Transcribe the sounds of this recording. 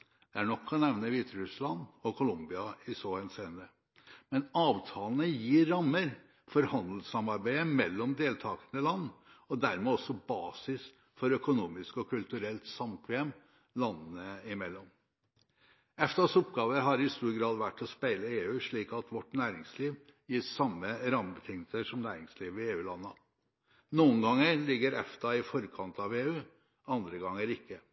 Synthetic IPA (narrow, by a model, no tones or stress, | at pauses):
d̪̥ɛæɳɔkʰːɑɔnɛʋnəʋiːt̪əɾʉslɑnɔkʰʊlʊmbɪɑɪsɔhɛnseːnə | mɛnɑːʋt̪ʰɑːlənəjiːɾːɑmːəɾ | fɔɾhɑnd̪l̩sɑmɑɾbæɪəmɛlːɔmd̪eːlt̪ʰɑːkənəlɑnːɔd̪æɾmɛːɔsːɔbɑːsɪs | fɔɾœkʊnuːmɪskɔkʰʉlt̪ʉɾɛlt̪sɑmt̪ʰʋɛɛm | lɑnːn̩əɪmɛlːɔm | ɛft̪ɑsɔpɡɑːʋəɾɦɑɾɪɪst̪uːɾɡɾɑːd̪ʋæʈːɔspæɪləeːʉːʂɭiːkɑt̪ʋɔʈːnæːɾɪŋsliːʋjiːsɑmːəɾɑmbət̪ʰɪŋːəsəʂɔmnæːɾɪŋsliːʋɪeːʉːlɑnːə | nuːənɡɑŋːəɾlɪɡːəɾɛft̪ɑɪfɔɾkʰɑnt̪ɑʋeːʉː | ɑnd̪ɾəɡɑŋːəɾɪkːə